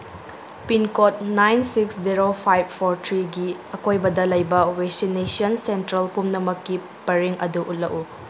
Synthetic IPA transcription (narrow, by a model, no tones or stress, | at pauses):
pinkot̚najnsiksziɾopʰajb̚pʰoɾtʰɾiɡiɐkojbɐdɐlɐjbɐweksinesiɐnsentɾɐlpumnɐmɐkːi | pɐɾiŋɐ̰duʔutlɐku